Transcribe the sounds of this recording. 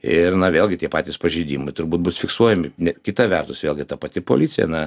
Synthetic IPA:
ɪrnɐʋʲeːlʲˠɡʲɪt̪ʲiɛpɑːt̪ʲiːspɐʒʲeɪd̪ʲiːmʊɪt̪ʊɾbuːt̪̚bʊsfʲɪksuɔjɛmʲɪnʲɛkʲɪt̪ɐʋʲɛrt̪ʊsʋʲeːlʲˠɡʲɪt̪ɐpɐt̪ʲɪpo̰lʲiːt͡s̪ʲɪjɛ̰nɐ

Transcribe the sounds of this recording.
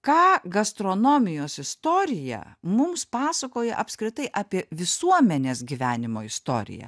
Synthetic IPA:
kɑːɡɐst̪ɾonoːmʲɪjoːsɪst̪oːɾʲɪjɛ̰mʊmspɑːsɐkoːjɛ̰ʔɐpʲskɾʲɪt̪ɐɪʔɑːpʲiɛʋʲɪsuɔmʲɛnʲeːsɡʲiʋʲæːnʲɪmoːɪst̪o̰ːɾʲɪ̰jɛ̰

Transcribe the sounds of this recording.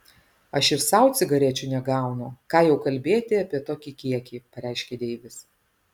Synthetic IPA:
ɐʃɪsɐˑʊt̪sʲɪɡɐɾʲiɛt͡ʃʲʊnʲɛɡɑˑʊnʊkɑːjɛʊkɐlʲbʲeːt̪ʲɪɐpʲiɛt̪oːkʲiːkʲiɛkʲiːpɐɾʲæˑɪʃʲkʲɛd̪ʲɛɪʋʲɪs

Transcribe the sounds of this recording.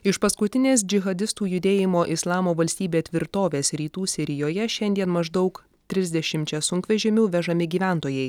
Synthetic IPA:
ɪʃpɐskʊt̪ʲɪnʲeːs̬d͡ʒʲɪɣɐd̪ʲɪst̪uːjʊd̪ʲeːjɪmoːʔɪslˠɑːmoːʋɐlʲsʲt̪ʲiːbʲeːt̪ʲʋʲɪɾt̪oːʋʲeːsɾʲiːt̪uːsʲɪɾʲɪjoːjɛʃʲɛnʲd̪ʲiɛnmɐʒd̪ɒʊk | t̪ʲɾʲɪzʲd̪ʲɛʃʲɪmʲt͡ʃʲɛsʊŋkʋʲɛʒʲɛmʲuːʋʲɛʒɐmʲɪɡʲiːʋʲæˑnt̪oːjɛɪ

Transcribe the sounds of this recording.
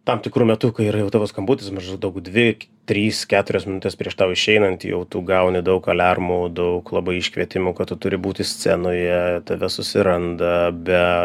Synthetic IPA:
t̪ɐmt̪ʲɪkɾuːmʲɛt̪ʊkɐɪiːɾɐjɛʊt̪ɑːʋoːskɐmbuːt̪ʲɪsmɐʒd̪ʊd̪ɐʊkd̪ʲʋʲɪt̪ʲɾʲiːskʲæːt̪ʊɾʲosmʲɪnʊt̪ʲespʲɾʲiɛʃt̪ɐʊɪʃʲɛɪnɐnt̪jɛ̰ʊt̪uːɡɐʊnʲɪd̪ɐʊkɐlʲɑrmud̪ɐʊklˠɑbɐɪɪʃʲkʋʲiɛt̪ʲɪmuːkɐtt̪ːʊt̪ʊɾʲɪbuːt̪ʲɪsʲt͡sʲɛ̰noːjɛt̪ɐʋʲɛsʊsʲɪɾɐnd̪ɐbʲɛ

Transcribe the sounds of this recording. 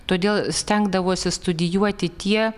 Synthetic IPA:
t̪oːd̪ʲeːlˠsʲt̪ʲɛŋɡd̪ɐʋoːsʲɪst̪ʊd̪ʲɪjuɔt̪ʲɪt̪ʲiɛ

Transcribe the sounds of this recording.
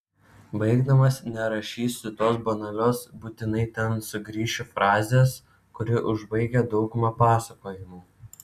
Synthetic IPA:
bɐɪɡd̪ɐmɐsnʲɛɾɐʃʲiːsʲt̪ʲɪt̪oːsbɐnɐlʲoːsbuːt̪ʲɪnɐɪt̪ʲɛnsʊɡɾʲiːʃʲʊfɾɑːzʲeːs | kʊɾʲɪʔʊʒbɐɪɡʲɛd̪ɒʊɡʊmɐpɑːsɐkoːjɪmuː

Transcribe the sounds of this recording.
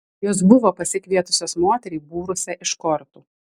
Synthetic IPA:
joːsbʊʋoːpɐsʲɪkʋʲiɛt̪ʊsʲoːsmoːt̪ʲɛɾʲibuːɾʊsʲɛʔɪʃkɔɾt̪uː

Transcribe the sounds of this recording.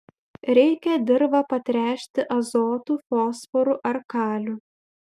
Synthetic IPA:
ɾʲɛɪkʲɛd̪ʲɪɾʋɐpɐt̪ʲɾʲæːʃʲt̪ʲɪʔɐzoːt̪uːfoːsfɔɾuʔɐɾkɑːlʲu

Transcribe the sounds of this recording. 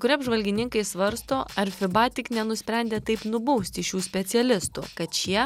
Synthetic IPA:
kʊɾʲiɐbʒʋɐlʲɡʲɪnʲɪŋkɐɪsʋɐɾst̪oːɐɾʲfʲɪbɑːt̪ʲɪknʲɛnʊsʲpʲɾʲænʲd̪ʲeːt̪ɐɪpnʊbɐʊsʲt̪ʲɪʃʲuːsʲpʲɛt̪sʲɛlʲɪst̪ṵkɐt̪t͡ʃʲiɛ

